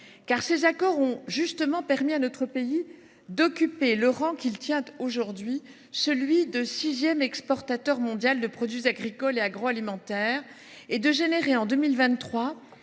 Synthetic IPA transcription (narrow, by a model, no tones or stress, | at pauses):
kaʁsezakɔʁɔ̃ʒyst̪əmɑ̃pɛʁmianɔt̪χəpei | d̪ɔkʲypeləʁɑ̃kʲilt̪jɛ̃t̪oʒuʁd̪ɥi | səlɥid̪əsizjɛmɛkspɔʁt̪at̪œʁmɔ̃d̪jald̪əpχɔd̪ɥizaɡʁikɔleaɡʁoalimɑ̃t̪ɛʁ | ed̪əʒeneʁeɑ̃d̪əmilvɛ̃t̪t̪ːχwa